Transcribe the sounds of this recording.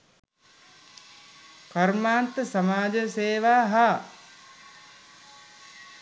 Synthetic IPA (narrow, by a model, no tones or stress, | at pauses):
karmaːnt̪əsamaːd͡ʒəseːʋaːɦa